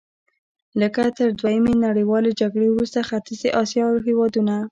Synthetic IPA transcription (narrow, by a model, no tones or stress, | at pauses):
ləkat̪əɾd̪wajəmenaɽəwɑled͡ʒaɡɽewɾust̪axat̪ɪzeʔɑsjɑɦewɑd̪una